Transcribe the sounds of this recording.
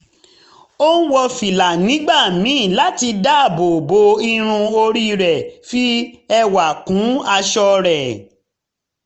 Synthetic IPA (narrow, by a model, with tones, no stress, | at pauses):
o˦n̩˦wɔ˧fi˨la˨nĩ˨˦ɡ͡ba˦˨mĩ˨˦˨la˦ti˧da˦˨bo˨bo˧˦i˧ɾ̃ũ˧o˧ɾi˦ɾɛ˨fi˦ɛ˦wa˨kũ˨˦a˧ʃɔ˧ɾɛ˨